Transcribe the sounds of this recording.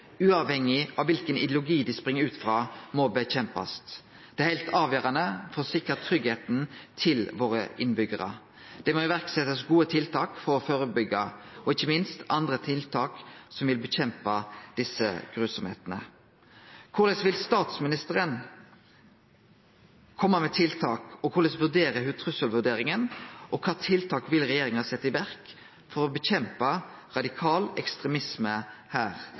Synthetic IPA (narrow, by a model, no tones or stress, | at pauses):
ʉːɑʋhɛŋːɪʔɑʋʋɪlkənɪd̪jlʊɡiːd̪ɪspʁɪŋːəɾʉːt̪fʁɑːmɔbəçɛmpɑ̰st̪ | d̪̥ɛæɾhɪlt̪ʰɑːʋjøːɾɑnəfɔʁsɪkːət̪ʰːɾʏɡheːt̪nt̪ʰɪlʋoːɾə̰ʔɪnbʏɡəʁə̰ | d̪̥ɛmoːɪʋæʁksɛt̪ːəsɡuːət̪ʰɪlt̪ʰɑːkfɔɾɔføːɾəbʏɡɑɔɪçəmɪnst̪ɑnd̪ɾət̪ʰɪlt̪ʰɑːksɔmʋɪlbəçɛmpɑd̪̥ɪsə̰ɡ̥ʁʉːsɔmhḛːt̪ənə̰ | kʰʊlɛsʋɪlst̪ɑːt̪smɪnɪst̪əʁən | kʰɔmːəmɛt̪ʰɪlt̪ʰɑːkɔkʰʊlɛsʋʉʁd̪eːɾəɦʉt̪ʰʁʉsəlʋʉd̪eːɾɪŋənʔɔkʰɑːt̪ʰɪlt̪ʰɑːkʋɪlʁɛjeːɾɪŋɑsɛt̪ːɪʋæʁk | fɔʁɔbəçɛmpɑʁɑd̪ɪkʰɑːlɛ̰kst̪ʁɛmɪsməhæːʁ